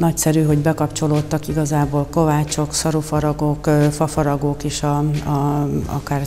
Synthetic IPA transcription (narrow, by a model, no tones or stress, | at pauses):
nɒcsɛɾyɦo̞ɟbɛkɒpt͡ʃo̞loːt̪ːɒkiɡɒzaːboːlko̞vaːt͡ʃo̞ksɒɾufɒɾɒɡokːfɒfɒɾɒɡoːkeːʃɒɒɒ̰kaːr